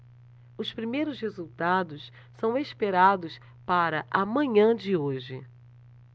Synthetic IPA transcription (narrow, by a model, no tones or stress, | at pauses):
ʊspɾimejɾʊshezuwt̪ad̪ʊs | sɐ̃w̃espeɾad̪ʊs | paɾɐʔɐmɐ̃ɲɐ̃d͡ʒɪoʒɪ̰